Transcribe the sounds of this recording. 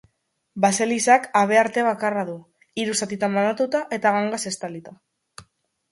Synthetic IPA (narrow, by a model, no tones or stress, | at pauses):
base̞lisakaβ̞e̞aɾt̪e̞β̞akaraðu | iɾusat̪it̪ambanat̪ut̪aʔe̞t̪aɣaŋɡase̞st̪alit̪a